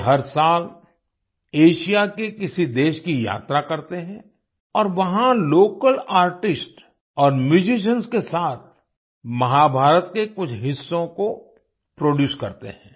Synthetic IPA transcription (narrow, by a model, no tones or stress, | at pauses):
ɦɐɾsaːl | eːʃijakekɪsid̪eːʃkija̰ːt̪ɾakɐɾt̪eɦɛ̃ | ɔːɾʋɐɦãloːkəlaːɾʈɪsʈ | ɔːɾmjuːd͡ʒɪʃ̬ənskesaːt̪ʰ | mɐɦabʱaːɾət̪kekʊt͡ʃʰɦɪsːõko | pɾoːɖjuːskɐ̰ɾt̪ḛɦɛ̃ː